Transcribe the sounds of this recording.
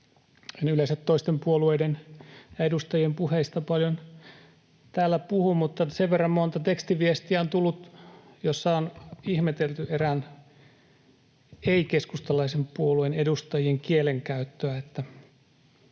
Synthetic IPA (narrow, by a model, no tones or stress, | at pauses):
enyleiset̪toist̪empuolueidenedust̪ɑjiempuheist̪ɑpɑljon | t̪æːlːæpuhumut̪ːɑseʋʋerːɑmmont̪ɑt̪ekst̪iʋiest̪iæont̪ulːut̪ | josːɑonihmet̪elt̪yeræn | eikeskust̪ɑlɑisempuoluenedust̪ɑjieŋkieleŋkæyt̪ːøæet̪ːæ